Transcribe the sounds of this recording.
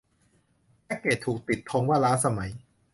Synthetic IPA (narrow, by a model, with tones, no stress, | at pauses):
ɛː˦˥keː˨˩t̪ʰuː˨˩k̚t̪i˨˩t̪ʰːo˧˦˥ŋwaː˥˩laː˦˥sa˧ma˩˦j